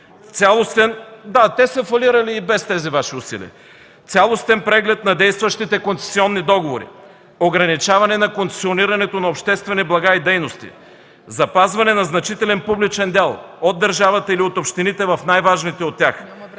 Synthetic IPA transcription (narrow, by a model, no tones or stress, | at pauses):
t̪sʲalˠost̪ɛnd̪at̪ɛsɐfɐliɾɐliːbɛst̪ɛzivaʃiʊsḭlḭ | t̪sʲalˠost̪ɛnpɾɛɡlɛt̪nɐd̪ɛjst̪vɐʃt̪it̪ɛkonsɛ̥siɔnːid̪ɔɡovoɾḭ | oɡɾɐnit͡ʃavɐnɛnɐkont̪ɛ̥sioniɾɐnɛt̪onɐopʃt̪ɛst̪vɛniblˠɐɡaid̪ɛjnost̪ḭ | zɐpazvɐnɛnɐznɐt͡ʃit̪ɛlɛnpublit͡ʃɛnd̪ʲɛlˠod̪ːɐɾʒavɐt̪əiliot̪opʃt̪init̪ɛvɐfnajvaʒnit̪ɛot̪ʲːjax